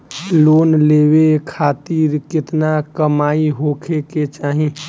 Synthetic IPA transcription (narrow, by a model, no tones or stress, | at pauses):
loːnleːwekʰaːt̪iːɾkɪt̪nakəmaːiɦoːkʰeket͡ʃaːɦĩ